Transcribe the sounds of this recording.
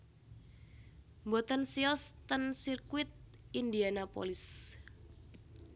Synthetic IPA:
mbɔt̪ənsiɔst̪ənsirkwɪt̪̚ind̪ianapo̰lɪs

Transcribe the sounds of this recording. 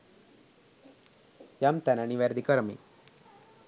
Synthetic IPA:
jamt̪ananiʋeɾd̪ikɐɾɐmḭ

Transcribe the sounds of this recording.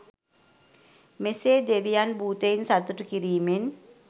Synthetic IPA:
meseːd̪eʋijanbʱuːt̪einsat̪uʈukiɾiːmen

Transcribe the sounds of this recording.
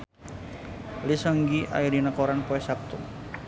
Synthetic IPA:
lisəŋɡiʔa̰idinəkɔɾanpoɛsap̚t̪uŋ

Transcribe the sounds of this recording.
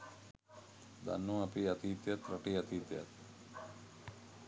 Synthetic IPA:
d̪a̰nːũapiat̪it̪jat̪ɾaʈiat̪it̪ja̰t̪

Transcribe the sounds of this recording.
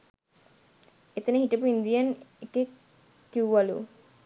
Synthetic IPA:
et̪ənəhiʈəpuind̪ijəneke | kiwuʋalṵ

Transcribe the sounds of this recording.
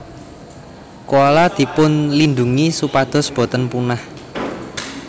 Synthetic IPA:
kolad̪̥i̤pʊnlind̪uŋisupad̪̥ɔ̤sb̥ɔ̤t̪ənpunah

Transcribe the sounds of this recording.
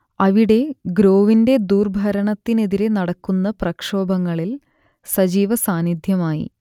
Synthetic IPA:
ɐʋiɽe̞ɡɾo̞ːʋinde̞d̪uːrbʱɐɾɐɳɐt̪ːine̞ðiɾe̞nɐɽɐkːunːɐprɐkʂo̞ːbɐŋːɐɭil | sɐd͡ʑiːʋɐsaːnid̪ʱjɐmaːjḭ

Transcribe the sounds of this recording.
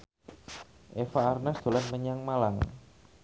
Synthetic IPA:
ʔefaːrnasd̪̥o̤lanməɲaŋmalaŋ

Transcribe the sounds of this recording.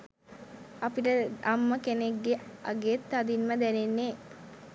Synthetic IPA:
apiʈəamːəkeneɡːeʔa̰ɡeːt̪ːad̪inməd̪ɛnenːeː

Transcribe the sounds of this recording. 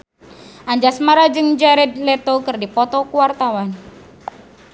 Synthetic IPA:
ʔaɲd͡ʒasmaɾad͡ʒɨŋd͡ʒaɾɛd̪̚lɛt̪ɔkɨrdipɔt̪ɔkuwart̪awan

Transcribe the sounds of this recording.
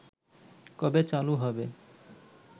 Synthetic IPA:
kʌbet͡saluɦʌbe

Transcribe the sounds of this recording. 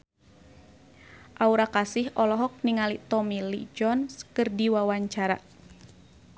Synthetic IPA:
ʔauɾakasɪhɔlɔɦɔk̚niŋalit̪ɔmilḭd͡ʒɔnskɨrdiwawaɲt͡ʃaɾa̰

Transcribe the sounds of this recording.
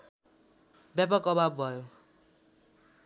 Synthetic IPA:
bjap̬ʌkʌbʱabbʱʌjo

